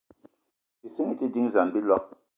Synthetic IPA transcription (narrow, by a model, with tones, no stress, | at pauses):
i˨si˦ŋi˦ti˦di˦ŋ˨za˨nbi˦lɔ˦k̚